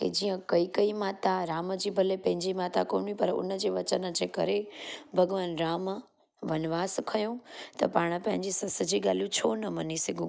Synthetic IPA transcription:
ɦḛd͡ʑiːə̃kɐiːkɐimaːt̪aɾaːməd͡ʑiːbʱɐlepɐ̃ɦɪ̃ɲd͡ʑimaːt̪ako̰ːnipɐɾʊ̰nəd͡ʑeːʋɐt͡ɕənəd͡ʑeːkɐ̰ɾebʱɐɡʋaːnɾaːm | ʋɐnʋaːskʰɐjõt̪ɐpaːɽ̃ə̆pɐ̃ɦɪ̃ɲd͡ʑisɐsəd͡ʑiːɡaːlijũt͡ɕʰoːnɐmɐnisɐɡʱũː

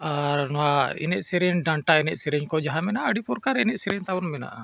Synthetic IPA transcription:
aɾnɔwaɛ̰nɛʔsɛɾɛɲɖaɳʈaɛnɛʔsɛɾɛɲkɔd͡ʒaɦamɛnaʔəɖipɔɾkaɾɛnɛʔsɛɾɛɲt̪awɔnmɛna̰ʔa̰

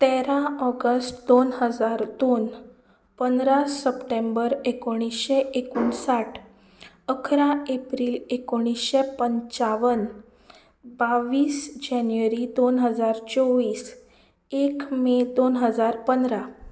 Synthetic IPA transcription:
t̪ɛɾãɔɡəsʈd̪onɦəd͡zaɾd̪on | pənd̪ɾasːəpʈẽmbəɾekoɽ̃isɕeʔekuːɳsaʈʰ | əkʰɾaepɾiːlekoɽ̃isɕepəɲt͡ɕaʋən | baʋiːsd͡ʑanʋəɾid̪onɦəd͡zaɾt͡sɔʋiːs | ekmed̪onɦəd͡zaɾpənd̪ɾa

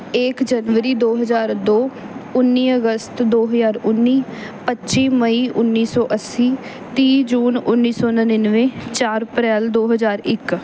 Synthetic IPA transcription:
ɪːkd͡ʒənʋəɾiːd̪oːɦəzaːɾd̪oː | ʊnːiːəɡəst̪d̪oːɦəzaːɾʊnːiːpətːʃiːməiːʔʊnːiːsɔːʔəsiː | t̪iːd͡ʒuːnʊnːiːsɔːnəneːnəʋẽːt͡ʃaːɾəpɾɛːld̪oːɦəzaːɾɪk

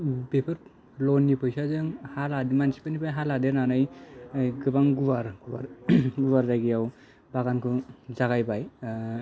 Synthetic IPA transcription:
bepʰɯɾ | lɔnːipʰɯjsazɯŋhaladimansi̥panibajɦaladenanɯj | ɡɯbaŋɡuwaɾ | ɡuwaɾzaɡijaw | baɡankʰɯzaɡajbaj

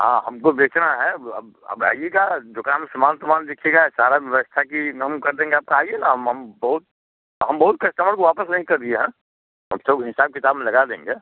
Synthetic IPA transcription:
ɦã̰ːɦɐmkobeːt͡ʃnaɦɛɐ̰b | ɐ̰ba̰ːijeɡad͡ʒokamsɐmaːlt̪əmaːnd̪ɪkʰeːɡasaːɾaʋʋʋst̪ʰakiɦɐmkɐɾd̪ẽːŋɡeaːb̚kaaːienaɦəmɦɐmbɐɦʊt̪̚ | ɦɐmbɐɦʊt̪̚kɐsʈ̪aməɽkoʋaːpəsnɐɦĩkɐɾd̪ieɦɛ̃ː | ɦɐmsoɡɦɪsaːb̚kɪt̪aːbmẽlɐɡad̪ḛ̃ːŋɡeː

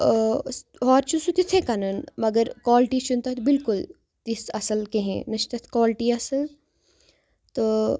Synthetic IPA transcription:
ɦɔːɾt͡ʃʰusut̪it̪ʰekɐnɐnmɐɡəɾkwɔːlʈit͡ʃʰunt̪ɐt̪bɪlkʊl | t̪ɪsɐsəlkeɦɛ̰̃ːnɐʃt̪ɐt̪ʰkɔːlʈiɐsəl | t̪o

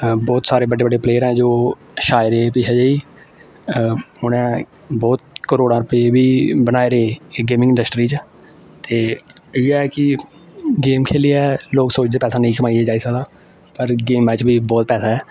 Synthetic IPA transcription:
bɔːt̪saːɾeːbəɖeːbəɖeːpleːəɾɛ̃ːd͡ʒoː | ʃaːɪɾeːpiːt͡ʃʰeːd͡ʒeːiː | ʊnɛ̃ː | bɔːt̪̚kəɾoːɽãːɾʊpeebiːbənaːeɾeeɡeːmɪ̃ŋɡɪ̃ɳɖəsʈɾiːt͡ʃ | t̪eːɪaːɛːkɪ | ɡeːmkʰeːliɛːloːksoːt͡ʃd̪eːpɛːsaːnəĩːkəmaːiɛːd͡ʒaːiːsəɡd̪aː | pəɾɡeːmɛ̃ːt͡ʃbʱiːbɔːt̪pɛːsaːɛː

